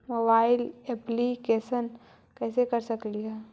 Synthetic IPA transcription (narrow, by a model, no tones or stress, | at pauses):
moːbaːɪlɛːplikeːʃən | kɛːsekɐɾsɐkliɦɛː